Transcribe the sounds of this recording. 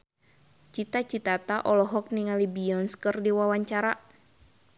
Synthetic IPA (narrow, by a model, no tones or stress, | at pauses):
t͡ʃit̪at͡ʃit̪at̪aʔɔlɔɦɔk̚niŋalibiɔnskərdiwawaɲt͡ʃaɾa